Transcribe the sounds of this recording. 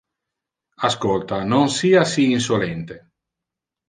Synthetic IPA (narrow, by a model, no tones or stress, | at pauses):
askolt̪anonsiːasiːns̬olɛnt̪e